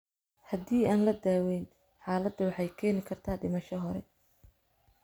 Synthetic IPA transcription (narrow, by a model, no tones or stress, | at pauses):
hɐd̪iːaːnlɐd̪aːwɛjn | ħaːlɐd̪ːɐwɑħɑjkʰɛːnɪkʰɐrt̪ʰaːɖɪmɐʃɐɦɔɾɛ̰